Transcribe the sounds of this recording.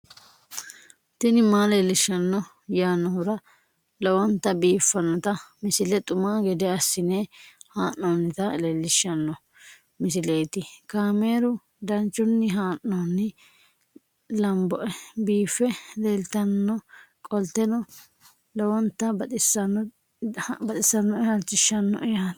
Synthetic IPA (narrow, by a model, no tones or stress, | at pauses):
t̪ɪnɪmaːleːlːɪʃːɐnːɔ | jaːnːɔhʊɾɐ | lɔwɔnt̪ːɐbiːfːɐnːɔt̪ɐmɪsɪlɛt̪ʼʊmaːɡɛd̪ɛɐsːɪneːhaːnːoːnːɪt̪ɐleːlːɪʃːɐnːɔ | mɪsɪlejt̪ɪkaːmeːɾʊ | d̪ɐnt͡ʃːʊnːɪɦaːʔːɔnːɪ | lɐmbɔʔɛbiːfːɛlɛlt̪ːɐnːɔkʼɔlt̪ːɛnɔ | lɔwɔnt̪ːɐɐsɐ | bɐt̪ʼɪsːɐnːɔɛhɐlt͡ʃːɪʃːɐnːɔ̰ʔɛjɐ